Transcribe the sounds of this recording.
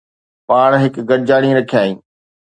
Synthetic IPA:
paːɽ̃ɦɪkɡɐɾɪd͡ʑaːɽ̃ĩɾɐkʰjaːĩː

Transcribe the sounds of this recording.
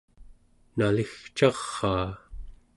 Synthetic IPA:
nalixt͡ʃɑʁːɑː

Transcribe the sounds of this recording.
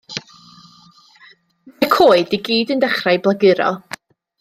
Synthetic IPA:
majkʰoːɨdiɡiːdəndɛχrajblˠaɡɪɾɔ̰lˠ

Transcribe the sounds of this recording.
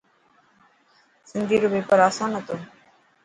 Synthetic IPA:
sind̪ʱiɾobepaɾasanɔt̪o

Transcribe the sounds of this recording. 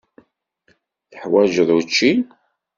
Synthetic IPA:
θəħwæʒðˤut͡ʃːin

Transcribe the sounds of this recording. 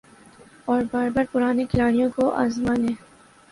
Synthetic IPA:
ɔːɾbaːɾbaɾpʊɾaːnekɪlaːɽijõkoʔa̰ːzmãːnẽː

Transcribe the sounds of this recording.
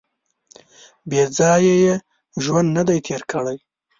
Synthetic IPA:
bed͡zɑjeje | ʒwand̪nad̪ajt̪ʰeɾkʰəɽaj

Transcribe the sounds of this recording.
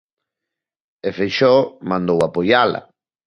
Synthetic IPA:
efejʃɔmãnd̪owapojala̰

